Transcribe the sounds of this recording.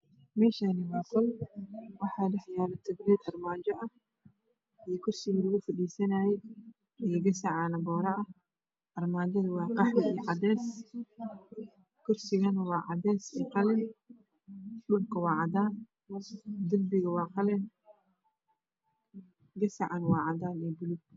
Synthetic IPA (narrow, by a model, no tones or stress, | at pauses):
mɛːʃanɪwɑːt̪ʰɐlwɑħɑːlɛħjaːlɐt̪ʰɐɡɾɛːd̪ɐrmaːd͡ʒɐʔɐh | ɛkʰʊrsɪɣlʊɣʊfɐdiːsɐnajɛ | ɛɡɐsɐʕaːnɐbɔːɾɐʔɐ | ʔɐrmaːd͡ʒɐðɐwɑːqɑħɐijʕɑd̪ɛːs | kʰʊrsɪɣɐnwɑːʕɑd̪ɛːsɛqɑlɛn | dʊlkʰɐwɑːʕɑdaːn | d̪ʊmbɪɣɐwɑːqɑlɛn | ɡɐsɐʕɑnwɑːʕɑdaːnɛːbʊlʊɡ̚